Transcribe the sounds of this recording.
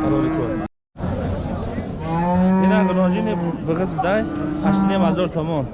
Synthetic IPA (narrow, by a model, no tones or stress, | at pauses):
aɾɔɾikʰɔɾ | iɾabəɾɔd͡ʒinibɨʁəsbd̪ajhaʃt̪nemhazɔɾsɔmɔn